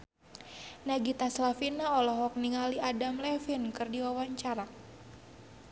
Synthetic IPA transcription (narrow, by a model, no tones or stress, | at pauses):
naɡit̪aslafinaɔlɔɦɔk̚niŋaliadamlɛfinkɨrdiwawaɲt͡ʃaɾa